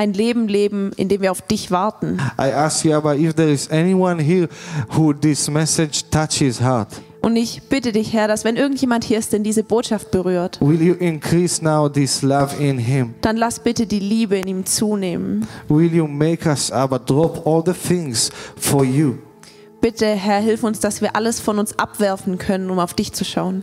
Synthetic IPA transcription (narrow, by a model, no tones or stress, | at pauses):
ʔaɪnleːbm̩leːbm̩ʔɪ̰ndeːmviːɐaʊfd̥ɪçv̥aɐtn̩ʔa̰ɪʔæskjuabaɪfðɛɹɪzɛniwʌ̃nɦiɹhuðɪsmɛsɨd͡ʒtʰat͡ʃhɪz̥ɦaɹt | ʔʊndɪçb̥ɪtədɪçhɛɐɾasv̥ɛnʔɪɐɡŋ̩tjeːmanthiːɐɪstd̥ɛndiːzəboːtʃaft̚b̥əʁyːɐtwɪlˠjuʔɪ̃nkʰɹisnaʊðɪslʌvɪ̃nɪ̃md̥anlasb̥ɪtədiːliːbəɪniːmt͡suːneːmənwɪlˠjumeɪkʌsavədɹɔpʰɔlˠðəθɪ̃ŋz̥fɔ˞ju | b̥ɪtəɦɛɐɦɪlfʊnsd̥asv̥iːɐʔaləsfɔnʊnsʔa̰pv̥ɛɐfn̩kʰœnənʊmaʊfd̥ɪçt͡suʃaʊən